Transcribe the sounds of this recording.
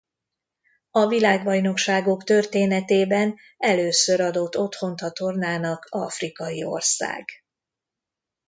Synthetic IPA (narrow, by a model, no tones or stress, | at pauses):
ɒvilaːɡbɒjno̞kʃaːɡo̞kt̪ø̞rt̪eːnɛt̪eːbɛn | ɛløːsøɾɒd̪o̞t̪ːo̞t̪ho̞nt̪ɒt̪o̞rnaːnɒkɒ̰frikɒjio̞̰rsa̰ːɡ